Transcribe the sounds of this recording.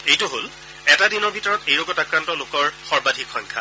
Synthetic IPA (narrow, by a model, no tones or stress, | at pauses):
ejtuɦol | ɛtadinɔɹbʱitɔɹɔtejɹɔɡɔtakɹantɔlokɔɹxɔɹbadʱikxɔŋkʰa̰